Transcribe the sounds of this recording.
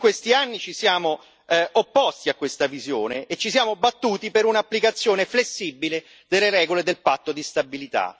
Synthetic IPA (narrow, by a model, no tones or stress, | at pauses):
kwest̪ianːit͡ʃisjaːmo | opːɔst̪iakːwest̪avizjoːneːt͡ʃːisjaːmobat̪ːuːt̪ipeɾunaːpːlikat̪sːjoːneflesːibːile | d̪elːeɾɛːɡoled̪elpat̪ːod̪ist̪abilit̪a̰